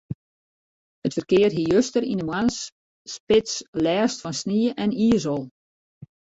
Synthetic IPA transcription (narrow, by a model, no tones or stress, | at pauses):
hətfərkɪərɦijøstərindəmwansː | pɪtslɛːstfɔnsniəʔɛniːəsɔlˠ